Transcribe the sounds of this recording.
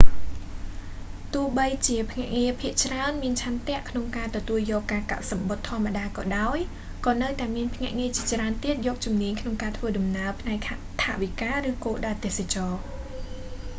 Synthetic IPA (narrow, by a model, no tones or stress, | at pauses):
t̪uəhɓəjt͡ɕiəpʰŋɛ̆əʔŋiəpʰiəʔt͡ɕraənmiənt͡ɕʰant̪ɛ̆əʔkʰnoŋkaːt̪ɔt̪uəljɔːkːaːka̰t̪̚sɑmɓot̪ʰːŏəmːaɗaːkɑːɗaɔj | kɑːnɨwt̪aɛmiənpʰŋɛ̆əʔŋiət͡ɕiət͡ɕraənt̪iət̪̚jɔːk̚t͡ɕumniəɲkʰnoŋkaːt̪ʰʋəːɗɑmnaəpʰnaɛk̚ | t̪ʰa̰ʔʋikaːrɨːkoːlɗaət̪eːsat͡ɕɑː